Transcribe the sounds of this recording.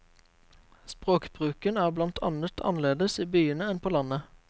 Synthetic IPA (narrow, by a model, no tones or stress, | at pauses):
spʁoːkb̥ʁʉːkənæːʁblɑnt̪ʰɑ̰nət̪ʰɑ̰nleːd̪əsiːbyːənəɛnpʰoːlɑnə